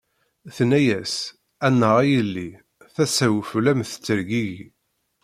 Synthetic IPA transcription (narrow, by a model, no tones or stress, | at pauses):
θnæjæs | ænːəʁæjəlːi | θæsæwflæmθə̥t͡sːəɾɡiʝ